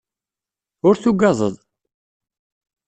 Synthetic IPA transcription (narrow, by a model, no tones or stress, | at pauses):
ʊɾθuɡɑzˤəðˤ